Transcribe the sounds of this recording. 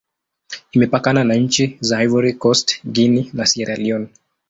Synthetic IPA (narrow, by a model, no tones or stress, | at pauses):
imɛpakananaɲ̩t͡ʃizahajvuɾikɔstɡininasiɾaliɔn